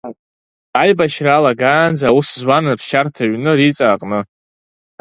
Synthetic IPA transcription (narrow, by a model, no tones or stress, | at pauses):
ajbaʃralaɡaːnd͡zawuszwanɨpʰʃartʰaɥnɨɾit͡sʼaːqʼnɨ